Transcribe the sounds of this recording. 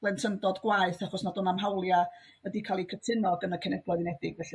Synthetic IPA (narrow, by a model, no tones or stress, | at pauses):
lɛntʰəndɔdɡwaɨθaχɔsnadʊnamɦawlˠja | ədikʰalˠikʰətʰɪnɔɡənakʰɛnɛblˠɔðnɛdɪɡvɛɬ